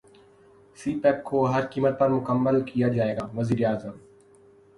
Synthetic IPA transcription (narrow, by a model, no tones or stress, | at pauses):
siːpɛːp̚kʰoːɦəɾkiːmət̪̚pɐɾmʊkəmːəlkijad͡ʒaːeːɡaːʋəziːɾeaːzəm